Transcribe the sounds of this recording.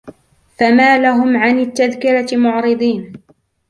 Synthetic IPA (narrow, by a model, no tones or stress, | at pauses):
famaːlaɦʊmʕanɪt̪ːaðkɪɾamʊʕɾɨd̪ˤiːn